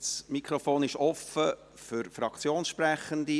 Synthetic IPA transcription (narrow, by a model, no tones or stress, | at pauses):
smikχɾɔfoːnɪʃɔfə | fʏɾfɾɑkt͡sjoːnsʃpræχəndi